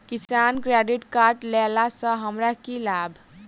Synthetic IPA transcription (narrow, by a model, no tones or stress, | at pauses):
kisankɾaɖiʈkaɾʈlelasʌ̃ɦəmɾakilabʱ